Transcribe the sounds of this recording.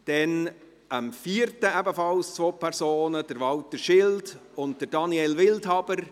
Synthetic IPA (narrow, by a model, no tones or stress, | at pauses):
d̥ɛn | əmfiːəɾtəæbəfɑlst͡sʋoːpʰɛɾsoːnəd̥əɾʋɑltəʃɪldʊnt̚d̥əɾd̥ɑniɛlʋɪlthɑbəɾ